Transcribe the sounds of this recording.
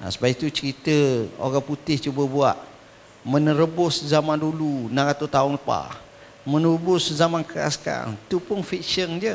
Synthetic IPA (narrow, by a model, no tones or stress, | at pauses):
a̰səbait̪ut͡ʃəɾit̪əo̰ɣaŋput̪ɪht͡ʃubəbuaʔ | mənəɾəbʊszamandulunaɾat̪ut̪aʊnləpa̰ | mənəəbʊszamankəɾa̰ska̰it̪upʊnfik̚ʃənd͡ʒə